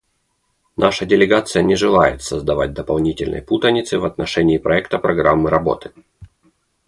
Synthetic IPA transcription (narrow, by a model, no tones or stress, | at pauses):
nʔaʂədʲɪlʲɪɡat̪sɨjənʲɪʐɨlˠajɪt̪səzd̪ɐvat̚ʲd̪əpɐlˠnʲitʲɪlʲnə̰jput̪ənʲɪt̪sɨvɐt̪nɐʂɛnʲɪːpɾɐɛkt̪əpɾɐɡɾamːɨɾɐbo̞̰t̪ɨ̥